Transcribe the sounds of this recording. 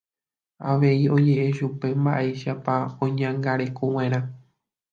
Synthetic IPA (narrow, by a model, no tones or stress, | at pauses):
aʋe̞io̞d͡ʒe̞ʔeʃupe̞mba̰ʔeʃapaõɲãŋɡaɾe̞kow̃ẽɾ̃ã